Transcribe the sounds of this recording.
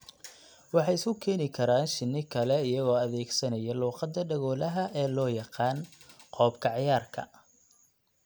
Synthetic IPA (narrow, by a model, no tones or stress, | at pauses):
wɑħɑjɪskʰʊkʰɛːnɪkʰɐɾaːnʃɪnːɪkʰɐlɛɪjɐɣɔːɐðɛːɡsɐnɐjɛluːqɑd̪ɐɖɐɣɔːlɐɦɐʔɛːlɔːjɑqɑːn | qɔːbkʰɐʕɪjaːrkʰɐ̰